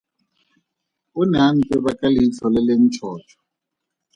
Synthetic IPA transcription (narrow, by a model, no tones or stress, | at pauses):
ʊnan̩tʼɛβakʼaliit͡sʰɔlɛlen̩t͡ʃʰɔːt͡ʃʰɔ̥